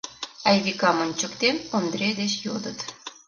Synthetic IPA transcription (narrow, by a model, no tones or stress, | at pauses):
ɑjβikɑmonʲt͡ɕəkt̪emond̪ɾed̪et͡ɕjod̪ət̪